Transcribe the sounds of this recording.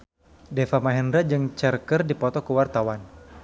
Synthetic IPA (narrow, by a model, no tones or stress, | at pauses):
defamaɦɛndɾad͡ʒɨŋt͡ʃɛrkərdipɔt̪ɔkəwart̪awan